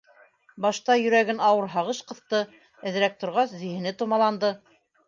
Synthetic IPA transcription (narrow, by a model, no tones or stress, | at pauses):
bɑʃt̪ɑjɵ̆ɾæɡɘnɑwɤɾɦɑʁɤʃqɤ̆θt̪ɤ | ɘ̆ðɘ̆ɾæk̚t̪ŏɾʁɑszɵ̆jhɘ̆nɘt̪ŏmɑlˠɑnd̪ɤ